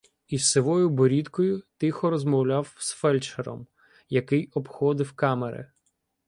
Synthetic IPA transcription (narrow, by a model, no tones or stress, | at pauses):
isːɪʋɔjʊbɔɾʲid̪kɔjʊt̪ɪxɔɾɔzmɔwlʲawsfɛlʲt͡ʃeɾɔ̰m | jɐkɪjɔpxɔd̪ɪwkɑmḛɾɪ̰